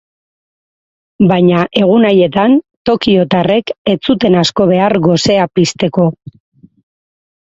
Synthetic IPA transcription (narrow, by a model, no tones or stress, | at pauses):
bajɲaʔe̞ɣ̞unaje̞t̪ant̪o̞kio̞t̪are̞ke̞t͡sut̪e̞nasko̞β̞e̞aɾɣo̞se̞apist̪e̞ko̞